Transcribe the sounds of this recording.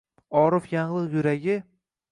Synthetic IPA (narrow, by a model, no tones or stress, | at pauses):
ɒɾʊfjaɴlˠɨqjʊɾaɡʲɪ